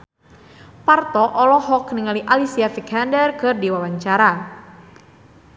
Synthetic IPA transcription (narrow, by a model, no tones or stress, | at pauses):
part̪ɔʔɔlɔhɔkniŋaliʔalisiafikɦandərkɨrdiwawaɲt͡ʃaɾa